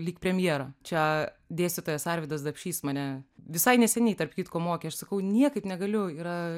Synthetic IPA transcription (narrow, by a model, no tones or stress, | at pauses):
lʲiːkpʲɾʲɛmʲjiɛɾɐt͡ʃʲɛ | d̪ʲeːsʲt̪ʲɪt̪oːjɛsɑːɾʲʋʲɪd̪ɐs̬d̪ɐpʲʃʲiːsmɐnʲɛʋʲɪsɐɪnʲɛsʲɛnʲɛɪt̪ɐrpkʲiːt̪koːmoːkʲeɐʃsɐkɐʊnʲiɛkɐɪpnʲɛɡɐlʲʊiːɾɐ